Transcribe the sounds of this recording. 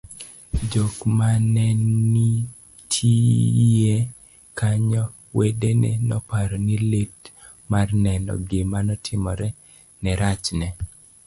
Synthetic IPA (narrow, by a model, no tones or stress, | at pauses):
d͡ʒokmanɛnːi | tʰije | kaɲɔ | wedenḛnɔpaɾɔnilet | marnɛnɔ̰ɡɪmanɔtʰɪmɔɾɛ | nɛɾat͡ʃnɛ